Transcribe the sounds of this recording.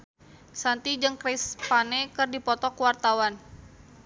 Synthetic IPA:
sant̪id͡ʒɨŋkɾispanɛkɨrdipɔt̪ɔkwart̪awan

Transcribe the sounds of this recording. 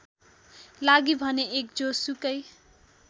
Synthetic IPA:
laɡibʱʌneek̚d͡zosukʌj

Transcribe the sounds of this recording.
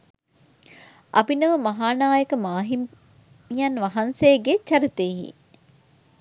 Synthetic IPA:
ʔɐ̰binəʋəmɐɦaːnaːjəkəmaːɦim | ijɐnʋɐɦɐnseːɡet͡ʃɐɾit̪eːɦḭ

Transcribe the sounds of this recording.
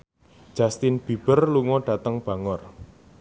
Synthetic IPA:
d̥d͡ʒ̥ast̪ɪnb̥ib̥ərluŋɔɖ̥a̤t̪əŋb̥a̤ŋɔr

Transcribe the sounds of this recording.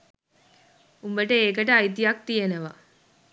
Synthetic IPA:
umbəʈəeːkəʈəajt̪ijɐk̚t̪ijenəʋɐ̰

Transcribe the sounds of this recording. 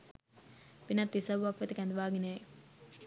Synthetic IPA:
pinɐt̪ːisɐʋuʋakʋet̪əkɛnd̪ʋaːɡinej

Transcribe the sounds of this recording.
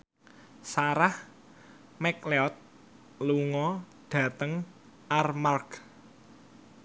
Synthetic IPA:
saɾah | mɛkleɔt̪̚ | luŋɔ | ɖ̥ä̤t̪əŋ | armark

